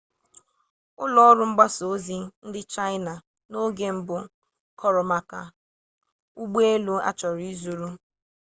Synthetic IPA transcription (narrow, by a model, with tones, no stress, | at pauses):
ʊ˦lɔ˦ɔ˦ɾʊ˦ŋ͡m̩˦ɡ͡ba˦so˨˦zi˦n̩˦dɪ˦t͡ʃa˦ɪ˦na˨ | no˦ɡe˦m̩˦bʊ˨ | kʰɔ˦ɾɔ˨ma˨ka˨ | u˦ɡ͡be˦e˦lu˦a̰˦t͡ʃɔ˨ɾi˨˦zu˨ɾu˦